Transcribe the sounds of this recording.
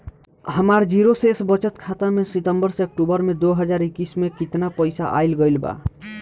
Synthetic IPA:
həmaɾd͡ʒiɾosesbət͡ʃət̪kʰat̪amesit̪əmbəɾseək̚ʈubəɾmed̪oɦəd͡ʒaɾikːismekit̪napəjsa̰ʔa̰jlɡəjlba̰

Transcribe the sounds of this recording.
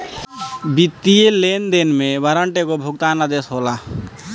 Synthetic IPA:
bit̪ːielend̪enmẽbəɾəɳʈekobʱʊɡt̪aːnad̪esɦola

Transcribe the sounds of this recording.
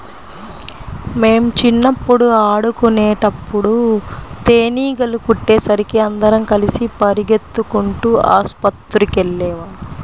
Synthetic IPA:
me̞ːmt͡ʃinːɐpːuɽuaːɽukuneːʈɐpːuɽut̪eːniːɡɐlukuʈːeːsɐɾikiɐnd̪ɐɾɐmkɐlisipɐɾiɡe̞t̪ːukuɳʈuːʔa̰ːspɐt̪ːɾukelːɛːʋaː

